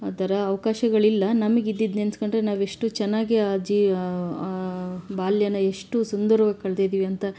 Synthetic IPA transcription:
ad̪ɐɾɐːʋɐkaːʃɐɡɐɭilːɐnɐmɐɡid̪ːid̪nenskoɳɖɾenaːʋe̞ʂʈut͡ʃɛnːaːɡiaːd͡ʒi | baːljɐnɐe̞ʂʈusund̪ɐɾɐʋɐkɐɭd̪ijd̪iːʋiɐnt̪ɐ

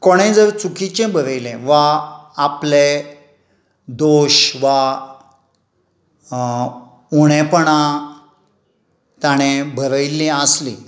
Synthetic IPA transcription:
koɽ̃ẽd͡zəɾt͡sukit͡ɕẽbʱəɾəjlẽʋaaple | d̪oɕʋa | uɽ̃epəɳ̃a | t̪aɽ̃ẽbʱəɾəjlĩəslḭ̃

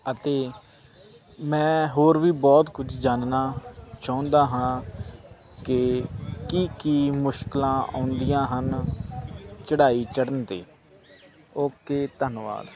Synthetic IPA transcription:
ət̪eː | mɛ̃ːɦoːɾʋiːbɔːt̪kʊd͡ʒʰd͡ʒaːnnaːt͡ʃãːʊ̃nd̪aːɦãː | kɪkiːkiːmʊʃkɪlãːʔã̰ːʊnd̪ijãːɦən | t͡ʃəɽaːiːt͡ʃəɽənt̪eː | oːkeːt̪ənʋa̰ːd̪

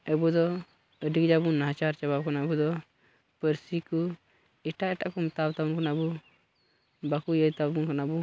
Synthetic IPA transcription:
ɛbɔd̪ɔ | əɖik̚d͡ʒabunnːaɦat͡ʃaɾt͡ʃaβab̚kanaəbud̪ɔ | pəɾsikɔ | ɛʈaʔɛʈaʔkɔmɔt̪abt̪abunkanaəbɔ | bakujəjt̪abunkanabɔ

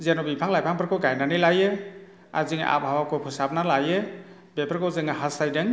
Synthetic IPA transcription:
zenɔbipʰaŋlajpʰaŋpʰɯɾkʰɔɡajnanɯlajɯ | a̰ziŋ̰ʔa̰p̚hawakʰɔpʰɯsap̚nalajɯ | bepʰaɾkɔwzɯŋaɦasajdɯŋ

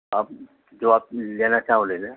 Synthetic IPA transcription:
aːp̚ | d͡ʒoːaːp̚leːnat͡ʃaːɦõld̪ene

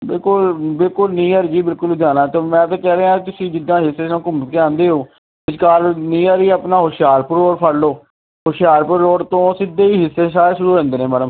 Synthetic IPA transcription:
bɪlkʊlbɪlkʊlnĩːaːɾd͡ʒiːbɪlkʊld͡ʒaːnaːt̪oːmɛ̃ːt̪̬ãːkɛːɾeːɦãːt̪ʊsĩːd͡ʒɪd̪ãːɦɪsːeːãːkʊmkeãːnd̪eːɦoː | ɪd͡ʒkaːɾnĩːaːɾiːaːpnaːɦoʃɪjaːɾpʊɾoːɽpʰəɽloː | ɦoʃɪjaːɾpəɾːoːɽt̪õːsɪd̪eːiːɦɪsːeːsaːɾeːʃʊɾuːẽːnd̪eːnẽːmɛːləm

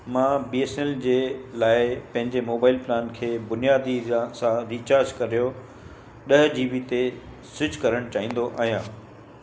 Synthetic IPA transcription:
mãːbiesneld͡ʑeːlaːɪpɐ̃ɦɪ̃ɲd͡ʑemoːbaːɪlplaːnkʰeːbʊnijaːd̪ʱiasãɾiːt͡ɕaːɾd͡ʑkɐɾijo | ɗɐɦd͡ʑiːbit̪e | sʊd͡ʑkɐɾəɽ̃t͡ɕaːɦĩːn̆d̪oʔaːɦijãː

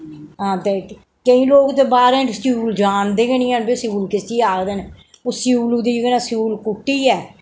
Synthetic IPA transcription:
ɦãːt̪eː | kəĩːloːkd̪eːbaːɾẽːsuːld͡ʒaːnd̪eːɡənĩːənbiːsɪuːlkɪst͡ʃiːaːkd̪eːne | osɪuːlud̪iːɡənaːsuːlkʊʈːiːɛː

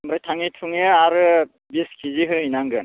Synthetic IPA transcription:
mɾajtʰaŋitʰuŋeaɾɯ | biskʰiziɦɯinaŋɡɯn

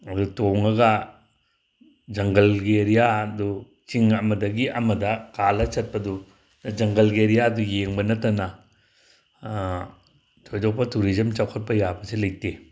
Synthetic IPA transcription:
ɐdutoŋɐɡa | d͡ʒɐŋɡɐlɡeɾijadu | t͡ʃiŋɐmɐdɐɡiʔɐmɐdakalɐt͡ʃɐt̚pɐdu | nad͡ʒɐŋɡɐlɡeɾijadujeŋbɐnɐtana | tʰɔjd͡ʒɔk̚pɐtuɾizɐmt͡ʃawkʰat̚pɐjabɐselej̚te

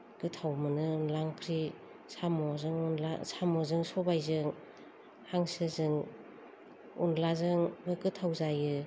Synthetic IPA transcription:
kɯtʰawmɯnɯnlaŋkʰɾi | samɔzɯŋunla̰samɔzɯŋsɔbajzɯŋ | haŋsɯzɯŋ | ṵnlazɯŋbɯkɯtʰawzajɯ

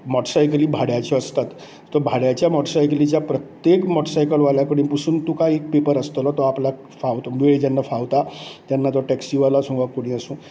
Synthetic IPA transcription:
mɔʈsajkliːbʱaɽjat͡ɕeəst̪at̪ː | ɔbʱaɽjat͡ɕjamɔʈsajklit͡ɕjapɾət̪jekmɔʈsajkəlʋaljakəɽiːnpusumt̪ukaek̚pepəɾəst̪ɔlɔt̪ɔapla | faʋt̪ɔbeɭed͡ʑjanːafaʋt̪at̪janːat̪ɔʈɛksiʋalasũŋɡʋakoɽ̃ĩəsũ

